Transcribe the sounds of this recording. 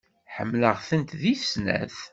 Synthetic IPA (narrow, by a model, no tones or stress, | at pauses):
ħə̰mːləʁθənt̪ðisnæ̰θ